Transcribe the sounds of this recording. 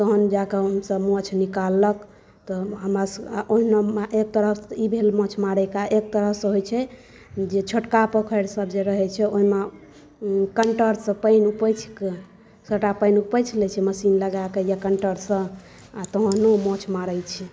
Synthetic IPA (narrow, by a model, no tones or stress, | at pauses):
t̪oɦənd͡ʒakeəmsəbmɔ̃t͡ʃʰnikalːək | t̪ɔɦəmɾasʔoɦimemeʔek̚t̪əɾəibʱelmɔ̃t͡ʃʰmaɽɛkaʔek̚t̪əɾəsə̃ɦojt͡ʃʰɛ | d͡ʒet͡ʃʰoʈkapəkʰəjɾsəbʱd͡ʒeɾəɦɛt͡ʃʰɛoɦime | kəɳʈəɾsə̃pəɪnupəjt͡ʃʰke | səʈapəjnupəjt͡ʃʰlɛt͡ʃʰɛməsinləɡakejakəɳʈəɾsə̃ | at̪oɦənomɔt͡ʃʰmaɾəjt͡ʃʰi